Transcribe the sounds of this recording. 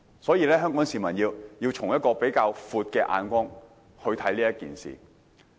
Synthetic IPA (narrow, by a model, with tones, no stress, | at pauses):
sɔː˨˥jiː˨˧lɛː˥ɦœː˥ŋkɔː˨˥ŋsiː˨mɐ˨˩njiː˧wjiː˧wt͡ʃʰʊ˨˩ŋjɐ˥t̚kɔː˧pe˨˥jkaː˧wfuː˨˧t̚kɛː˧ʔa̰ː˧nkʷɔː˥ŋ | hɵ˧ɥt̪ʰɐ˨˥jliː˥jɐ˥t̚kḭː˨nsḭː˨˩